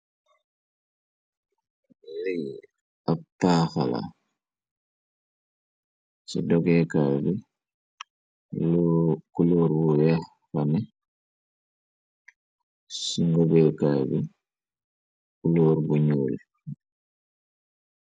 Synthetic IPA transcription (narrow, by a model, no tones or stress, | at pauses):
lij | apːaːxala̰ | sḭdɔɡɛkaːbi | k | kuluːɾbuwɛ | fɐnɛ | siŋɡobɛkaːbi | kuluːɾbuɲuːl